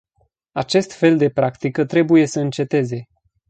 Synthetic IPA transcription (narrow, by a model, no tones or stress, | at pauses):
at͡ʃe̞st̪fe̞ld̪e̞pɾakt̪ikət̪ɾe̞buje̞səɨnt͡ʃe̞t̪e̞ze̞